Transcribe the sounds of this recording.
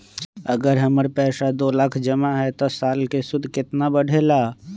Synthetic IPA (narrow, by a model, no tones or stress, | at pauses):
ɐɡəɾɦəməɾpɛːsad̪oːlaːkʰd͡ʒəmaɦɛt̪osaːlkesʊd̪ʱkɪt̪nabəɽʱelaː